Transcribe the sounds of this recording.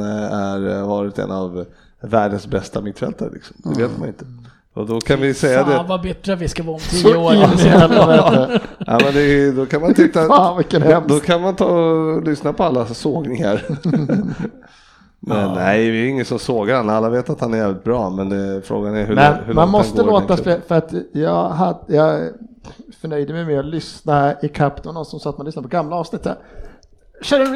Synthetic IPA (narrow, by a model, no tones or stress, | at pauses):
əæɾvɑːɾɪt̪ɛ̰navː | æːɖənsbɛst̪amɪt̪ːfɛ̰lt̪aɾə̰lɪ̰ksɔ̥md̪ɛveːt̪manɪnt̪ʰə̥ | ɔd̪ɔkʰanvɪsɛjːad̪ɛvabɛt̪ɾavɪskavɑːɔmt̪ʰiəoːɾ | ʔɛ̰mɛnd̪ɛd̪ɔkʰanmant̪ʰɪt̪ːavɪkːəɛd̪ɔkʰanmant̪ʰɑːɔlʏsnapʰɔalːasoːɡnɪŋaɾ | mɛnnæjvɪɛɾɪŋːənsɔmsoːɡəɾhanalːaveːt̪at̪hanæɾjɛːvlɪt̪̚bɾɑːmɛnd̪ɛfɾo̰ːɡanæɾhɵmɛnhmanmɔsst̪əloːt̪asɛfœɾat̪jɑːɡɦajɑː | fœɳœjd̪əmɛjmɛɔlʏsnaɪkʰapːd̪əvanɔnsɔmsɑːt̪manʏsnadəpʰɔɡamːlaɑːvsnɪt̪ːə̰ɾ | ɕœːɾə